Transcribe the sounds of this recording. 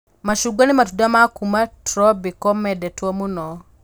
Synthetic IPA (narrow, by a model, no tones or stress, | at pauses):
maʃuɡwanɪmatudamakumatɾɔbikɔmɛdɛtwɔmunɔ